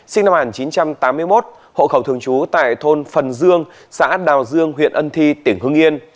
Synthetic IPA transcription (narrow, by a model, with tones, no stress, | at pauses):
sï˧ŋ̟na˧mŋaː˨˩nt͡ɕi˨˦nt͡ɕa˧mt̪aː˨˦mːɨ˧əjmo˦˥t̚ | ho̰˧˨xə˧˩wt̪ʰɨ˨˩əŋt͡ɕu˨˦t̪a̰ː˧˨jt̪ʰo˧nfə˨˩nzɨ˧əŋ | sa̰ː˧˥ɗaː˨˩wzɨ˧əŋɦwḭ˧˨ənʔə˧nt̪ʰi˧t̪i˧˩əŋɦɨ˧əŋʔi˧ən